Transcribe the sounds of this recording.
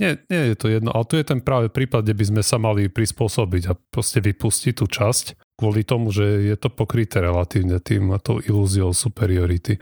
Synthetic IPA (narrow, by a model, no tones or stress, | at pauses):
ɲɪɛɲɛjɛt̪ɔjɛd̪nɔ̰ʔalɛt̪ujɛt̪ɛnpɾaːʋɛpɾiːpad̪̚ɟɛbizmɛsamalipɾispʊɔsɔbiɟapɾɔscɛʋipuscit̪ːuːt͡ʃasc | kʊɔlit̪ɔmuʒɛjɛt̪ɔpɔkɾit̪ɛɾɛlat̪iːʊɲɛt̪ḭːmt̪ɔʊʔiluziɔʊsupɛɾiɔɾit̪i